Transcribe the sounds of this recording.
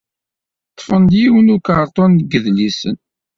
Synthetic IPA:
t̪ˤːfənd̪jiwənukəɾˤt̪ˤɔnːɡəðlisən

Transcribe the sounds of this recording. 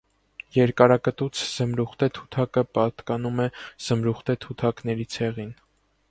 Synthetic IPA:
jɛɾkɑɾɑkət̪ut͡sʰz̥əmɾuχt̪ɛt̪ʰu̥t̪ʰɑkəpɑt̪kɑnumɛz̥əmɾuχt̪ɛt̪ʰut̪ʰɑknɛɾit͡sʰɛʁin

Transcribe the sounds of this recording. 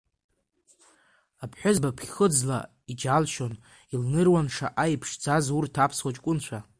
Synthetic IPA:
apʰħʷʊzbapʰʲχəd͡zla̰ | id͡ʒalʃon | ilnɨrwanʂa̰ʔajpʰʂd͡zazurtʰapʰswat͡ʃʼkʷʼʊnt͡ɕʷʰa

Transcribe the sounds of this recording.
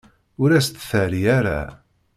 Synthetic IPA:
ʊɾæst̪ːθəɾiæɾa̰

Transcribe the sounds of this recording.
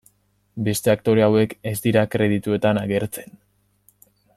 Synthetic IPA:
be̞st̪e̞ak̚t̪o̞ɾe̞awe̞ke̞zd̪iɾakɾe̞ð̞it̪ue̞t̪anaɣe̞ɾt͡se̞̥n

